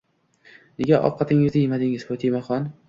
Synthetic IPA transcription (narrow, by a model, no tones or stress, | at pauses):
neɡʲaʔɒ̰qʰːɑt̪ʰɪŋɪzd̪ajɪmad̪ɪŋɪz̥pot̪ʰimaχɒn